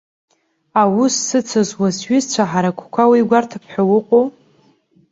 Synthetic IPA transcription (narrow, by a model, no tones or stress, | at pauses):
awusːɨt͡sʰazwasɥʏzt͡ɕʷʰaħaɾakʷʰkʷʰawiɡʷartʰapʰħawʊqʷʼo